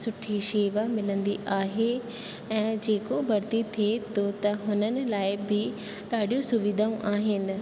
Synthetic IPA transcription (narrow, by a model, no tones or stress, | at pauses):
sʊʈʰiʃeːʋamɪlə̃nd̪iʔaːɦe | ɛ̃ːd͡ʑeːkobʱɐɾt̪it̪ʰiet̪ʰot̪ɐɦʊnənɪ̆laːɪbɪ | ɗaːɗijũsʊʋid̪ʱaũʔaːɦɪnɪ̆